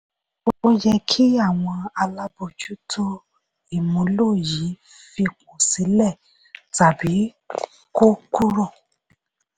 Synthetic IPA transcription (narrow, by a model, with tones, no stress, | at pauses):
o˦o˦d͡ʒɛ˧kʰi˦a˦˨w̃ɔ̃˧a˧la˦bo˧˨d͡ʒu˦tʰo˦ | i˦˨mũ˨˦lo˦˨ji˨˦ | fi˧kũ˨si˨˦lɛ˦˨ | ta˨bi˨˦ | ko˦ku˦ɾɔ̃˦˨